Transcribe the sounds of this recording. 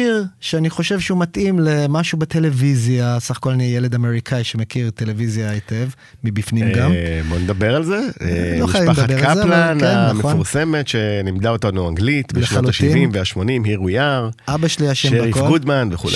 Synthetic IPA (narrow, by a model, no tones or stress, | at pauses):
iʁʃeaniχo̞ʃevʃeumatʔimlemaʃubet̪e̞levizjasaχḁko̞lanijele̞dame̞ʁikʰaiʃemekiʁt̪ele̞vizjaetev | mibifnimɡamboned̪abeʁalzeḛlomiχaʃjaviamd̪abkaalzelananamχeofnuʁsemetʃe̞nimd̪aotanuaŋɡlit̪bebeʃnooaluatʃiivimveaʃmo̞nimhiʁujaʁʔabaʃeliaʃemeikfɡud̪manveχṵle